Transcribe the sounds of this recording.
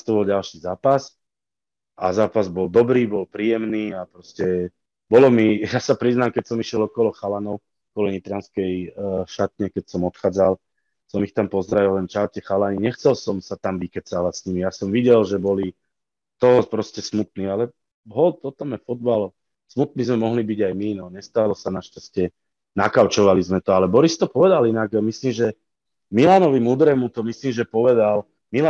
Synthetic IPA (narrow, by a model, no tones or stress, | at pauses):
st̪ɔbɔlɟalʃizaːpas | ʔazaːpazbɔld̪ɔbɾiːbɔlpɾiːjɛmniːapɾɔscɛ | bɔlɔmijaːsapɾiznamkɛcsɔmiʃjɛlɔkɔlɔxalanɔʊ | ɔkɔlɔɲit̪ɾanskɛjʃat̪ɲɛkɛcsɔmɔt̪xaːd͡zal | sɔmixt̪ampɔzɾaʋillɛnt͡ʃaɾcɛxalaɲiɲɛxt͡sɛlsɔmsat̪amʋikɛt͡salasɲimijasɔmʋiɟɛlʒɛbɔli | t̪ɔɦɔpɾɔscɛsmut̪̚niːalɛ | ɦɔlt̪ɔt̪ɔmjɛfɔd̪balɔ | smut̪̚nizmɛmɔɦlibiɟajminɔɲɛst̪alɔsanaʃcascɪɛ | nakaʊt͡ʃɔʋalizmɛt̪ɔalɛbɔɾist̪ɔpɔʋɛd̪alinaɡmisliːmʒɛ | milaːnɔʋimud̪ɾɛmut̪ɔmisliːmʒɛpɔʋɛd̪al | mila